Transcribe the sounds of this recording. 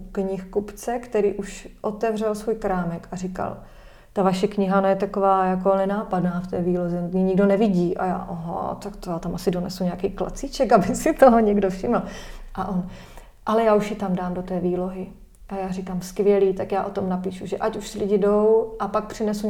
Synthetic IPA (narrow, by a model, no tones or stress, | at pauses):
kɲɪxkupt͡sɛkt̪ɛɾiːʔuʃʔo̞t̪ɛvr̝ɛlsvuːjkɾaːmɛkarɪka̰l | t̪avaʃɛkɲɪɦanajɛt̪akovaːjakonɛnaːpadnaːft̪ɛːviːlozɛɲiɲɪɡdo̞nɛvɪɟiːʔa̰ja̰ːʔoɦo̰t̪akt̪ojaːt̪amʔasɪdonɛ̰suɲɛakiːkla̰t͡siːt͡ʃɛkabɪsɪt̪oɦoɲɛɡdofʃɪml̩ʔaʔon | ʔalɛjaːuʃjɪt̪amdaːmdot̪ɛːviːlo̞ɦɪ | ʔajaːrɪkaːmskvjɛliːt̪akjaːʔo̞t̪o̞mnapiːʃuʒɛʔacuʃsɪlɪɟɪdo̞wʔapak̚pr̝̥ɪnɛsu